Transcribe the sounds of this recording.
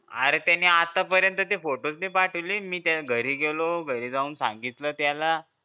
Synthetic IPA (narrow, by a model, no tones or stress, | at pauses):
a̰ɾet̪janiat̪apəɾjənt̪ət̪efoʈot͡snepaʈʰəliːmiːt̪jalɡʱəɾiːɡeloɡʱəɾiːd͡zauːnsã̰ŋɡit̪ləːt̪jala